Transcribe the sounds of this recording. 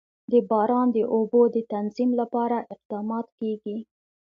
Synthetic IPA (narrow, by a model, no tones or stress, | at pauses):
d̪əbɑɾɑnd̪əʔobod̪ət̪anzimlapɑɾaʔɪq̚d̪ɑmɑt̪keɡi